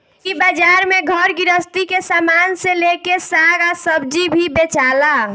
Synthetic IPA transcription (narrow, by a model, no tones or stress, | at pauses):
kibəd͡ʒaːɾmẽɡʱəɾɡɪɾəst̪ikesaːmaːnselekesaɡasəb̚d͡ʒibʱibet͡ʃala